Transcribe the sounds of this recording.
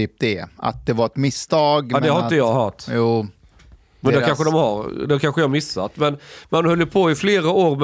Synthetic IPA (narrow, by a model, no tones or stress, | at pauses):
iːp̚d̪ɛa̰t̪̚d̪ɛvaɾɛt̪mɪst̪ʰɑːɡd̪ɛhaɾɪt̪əjɑːɡɦœt̪juː | mɛnd̪ækanɧəd̪ɔmhaɾd̪ɛkʰanɧəjhaɾmɪsːa̰t̪mɛnmanhœlːəpʰoːɪfleːɾaoːɾmɛ